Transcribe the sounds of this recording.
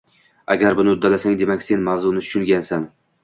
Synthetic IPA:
a̰ɡʲaɾbʊnɪʊd̪ːalasaŋd̪e̞makʲse̞nmavzʊnɪt̪ʰʊ̥ʃʊŋɡʲansan

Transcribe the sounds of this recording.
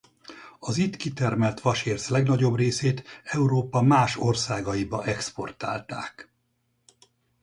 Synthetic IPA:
ɒzit̪kit̪ɛrmɛlt̪ʋɒʃeːrslɛɡnɒɟo̞breːseːt̪ɛuɾoːpɒmaːʃo̞rsaːɡɒjibɒʔɛkspo̞̰rt̪aːlt̪a̰ːk

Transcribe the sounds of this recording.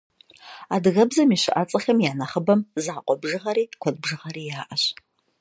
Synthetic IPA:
adɣɐbzɐmiːʃɪʔat͡sʼɐxɐmjaːnɐχəbɐmzaːqʷʼɔbʒɨʁɐɾiːkʷʰɔd̚bʒɨʁɐɾiːjaːʔɐɕ

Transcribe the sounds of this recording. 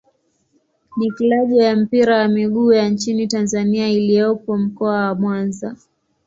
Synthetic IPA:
nikilaʄɔjam̩piɾawamiɠuːjant͡ʃinitanzaniailijɔpɔm̩kɔawamwanza

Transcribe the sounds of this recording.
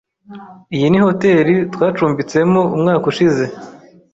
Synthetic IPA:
ijiniho̞te̞ːɾitwaːt͡ʃuːmbit͡se̞moumŋaːkuʃize̞

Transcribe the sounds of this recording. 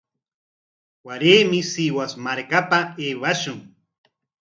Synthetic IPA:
waɾeːmɪsiwasmaɾkapaeːwaʃʊŋ

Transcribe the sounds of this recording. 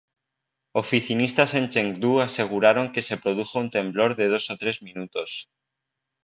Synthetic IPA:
o̞fiθinist̪asẽ̞nt͡ʃeŋd̪uase̞ɣ̞uɾaɾo̞ŋke̞se̞pɾo̞ð̞uxount̪ẽ̞mblo̞ɾðe̞ð̞o̞sot̪ɾe̞zmĩnut̪o̞s

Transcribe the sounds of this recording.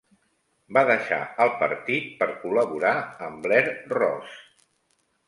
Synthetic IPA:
baðəʃa̰əlˠpə̰ɾt̪it̪̚pəɾkuləβuɾaəmblɛɾrɔ̰s

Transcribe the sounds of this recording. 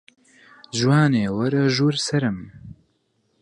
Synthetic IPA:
ʒwaːneːwɐɾɐʒuːɾsɐɾɨm

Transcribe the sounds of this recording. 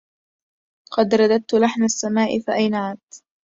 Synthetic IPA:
qɑd̪ɾˤɑd̪ad̪̚t̪ʊlaħmasːamaːʔɪfaʔajnaʕaːt̪

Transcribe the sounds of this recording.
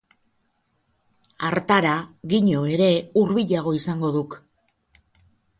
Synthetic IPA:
aɾt̪aɾaɣiɲo̞e̞ɾe̞uɾβiʎaɣ̞o̞isaŋɡo̞ðuk

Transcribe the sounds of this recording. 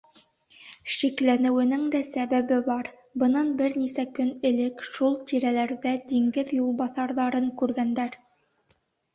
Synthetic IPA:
ʃiklænɘ̆wɘ̆nɘŋd̪æsæβæβɘbɑɾ | bɤ̆nɑnbɘɾnisækɵnɘ̆lɘkʃulˠt̪iɾælæɾðæd̪iŋɡɘðjulˠbɑθɑɾðɑɾɤŋkʉɾɡænd̪æɾ

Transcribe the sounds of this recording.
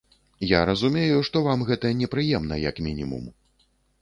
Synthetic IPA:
jaɾɐzumʲejuʂt̪ɔvamɣɛt̪ɐnʲɛpɾɨjɛmnɐ̰jɐ̰kmʲinʲimṵm

